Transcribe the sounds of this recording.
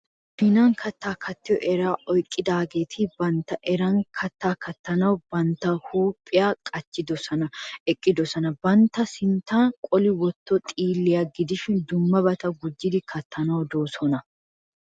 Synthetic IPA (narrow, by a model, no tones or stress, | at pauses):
fɪnaŋkʰɐt̪ːaːkʰɐt̪ːɪjɔ̰ʔɛɾaːʔɔjkʼːɪd̪aːɡeːt̪ʰiːbɐnt̪ɐʔɛɾɐŋkʰɐt̪ːaːkɐt̪ːɐnɐwbɐnt̪ɐhuːpʼːɪjaːkʼɐt͡ʃːɪd̪ɔsɐnɐɛkʼːɪd̪ɔsɐnɐbɐnt̪ɐsɪnt̪aːnkʼɔlɪwɔt̪ːɔt̪ʼiːlːɪjɐɡɪd̪ɪʃɪnd̪ʊmːɐbɐt̪ɐɡʊd͡ʒːɪd̪ɪkʰɐt̪ːɐnɐwd̪oːsɔnɐ